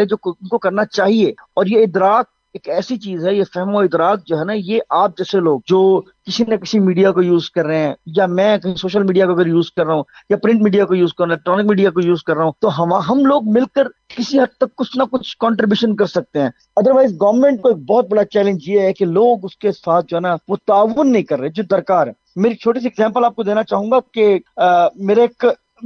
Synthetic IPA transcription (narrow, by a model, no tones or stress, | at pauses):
ed͡ʒoːʊnkokɐɾnat͡ʃaːɦieɔːɾjeɪd̪ɾaːk̚ | eːkɛːsit͡ʃiːzɦɛjefɛɦmoɪd̪ɾaːk̚d͡ʒoːɦɛnajeːʔaːp̚d͡ʒɛːseloːɡ̚d͡ʒoː | kɪsinekɪsimiːɖijakojuːzkɐɾːeɦɛ̃ːjamɛ̃ːkɐĩsoːʃəlmiːɖijakoɐɡəɾjuːzkɐɾːɐɦũjapɾɪ̃ɳʈmiːɖijakojuːzkɐɾ̃ːelɛːk̚ʈɾɔːnɪk̚miːɖijakojuːzkɐɾːɐɦũːt̪oɦɐmaɦɐmloːɡmɪlkəɾkɪsiɦɐd̪̚t̪ɐkːʊt͡ʃʰnakʊt͡ʃʰkɔːɳʈɾɪbjuːʃənkɐɾsɐk̚t̪eɦɛ̃ː | ɐd̪əɾʋaːɪzɡɔːʋəɾmẽːɳʈkoeːk̚bɔːt̪̚bɐɽat͡ʃɛːlẽɲd͡ʒjeɛkeloːɡʊskesaːt̪̚ʰd͡ʒoɦɛːnaʋot̪aːʋənːɐɦĩkɐɾːəed͡ʒoːd̪ɐɾkaːɾɛːmeːɾit͡ʃʰoːʈis̬iɛɡzɛ̃ːmpəlaːp̚kod̪eːnat͡ʃaːɦũːŋɡake | meːɾeeːk